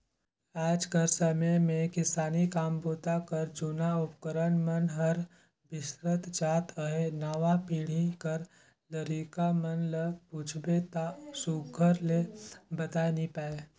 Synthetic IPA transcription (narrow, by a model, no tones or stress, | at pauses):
aːd͡ʒkəɾsəməjmẽkɪsaːnikaːmboːt̪akəɾd͡ʒunaʊpkəɾənmənɦɐɾ | bɪsɾət̪d͡ʒaːt̪ʰəɦenaːʋapiːɽ̤ikəɾ | ləɾiːkamənləpuːt͡ʃʰbet̪asuːɡʱəɾlebət̪aːnipaːe